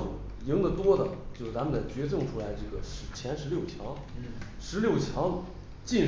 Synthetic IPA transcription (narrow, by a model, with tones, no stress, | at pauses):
ji˧˥ŋd̪ə˨˩t̪wɔ˥d̪ə˨t͡ɕjo˥˧ʂɻ̩˥˩t͡sa˥mə˨nt͡sa˥˩ɪt͡ɕɥɛ˧˥ʈ͡ʂɤ˥˧˩ŋʈ͡ʂʰu˥la˧˥ɪʈ͡ʂɤ˥˩ɡə̰˩ʂɻ̩˧˥t͡ɕʰjɛ˧˥nʂɻ̩˧˥ljo˥˩ʊt͡ɕʰjɑ˧˥ŋ | ʂɻ̩˧˥ljo˥˩ʊt͡ɕʰjɑ˧˥ŋ | t͡ɕi˥˩n